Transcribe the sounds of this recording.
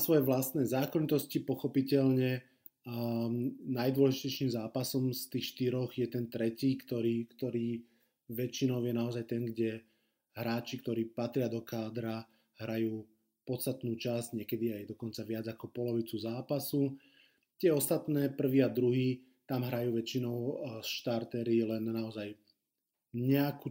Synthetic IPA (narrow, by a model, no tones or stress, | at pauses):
sʋɔjɛʋlast̪nɛːzaːkɔɲit̪ɔscipɔxɔpicɛʎɲɛ | najd̪wɔlɛʒicɛjʃiːmzaːpasɔmst̪iːxʃt̪iɾɔɣjɛt̪ɛnt̪ɾɛciːkt̪ɔɾiːkt̪ɔɾiː | ʋɛt͡ʃinɔʊjɛnaɔzajt̪ɛŋɡɟɛ | ɦɾaːt͡ʃikt̪ɔɾiːpat̪ɾɪad̪ɔkaːd̪ɾa | ɦɾajuː | pɔt̪st̪at̪nuːt͡ʃazɟɲɛkɛd̪iajd̪ɔkɔnt͡saʋɪad͡zakɔpɔlɔʋit͡suzaːpasu | t̪ɪɛɔst̪at̪nɛːpr̩ʋiːad̪ɾuɦiː | t̪amɦɾajuːʋɛt͡ʃinɔʊsʃt̪aɾt̪ɛɾilɛnnaɔzaj | ɲɛaku